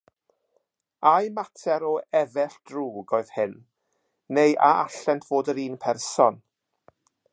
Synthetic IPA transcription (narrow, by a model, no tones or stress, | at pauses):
ajmatʰɛɾɔɛvɛɬd̥ruːɡɔɨð̥hɪnː | ejʔaaɬɛntʰv̥oːdəɾiːnpʰɛrsɔn